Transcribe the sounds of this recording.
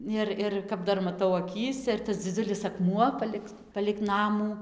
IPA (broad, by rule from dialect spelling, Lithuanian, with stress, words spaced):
ˈɪr ˈɪr kɐp ˈdɐr mɐˈtɐʊ ɐˈkʲiːsʲɛ ɪr tɐs d͡zʲɪˈd͡zʲʊlʲɪs ɐkˈmuɔ ˈpɑːlʲɪk pɐlʲɪk ˈnɑːmuː